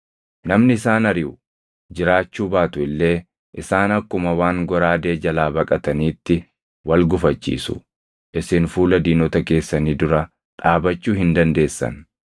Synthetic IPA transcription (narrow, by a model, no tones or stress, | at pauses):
nɐmnɪɪsaːnɐɾɪʊ | d͡ʒɪɾaːt͡ʃːuːbaːt̪ʊɪlːe̞ː | ʔɪsaːnɐkːʊmɐwaːŋɡɔɾaːd̪e̞ːd͡ʒɐlaːbɐkʼɐt̪ɐniːt̪ːɪ | wɐlɡʊfɐt͡ʃːḭːsʊ̰ | ʔɪsɪnfuːlɐd̪iːnɔt̪ɐke̞ːsːɐniːd̪ʊɾɐ | ᶑaːbɐt͡ʃːuːhɪnd̪ɐnd̪e̞ːsːɐ̰n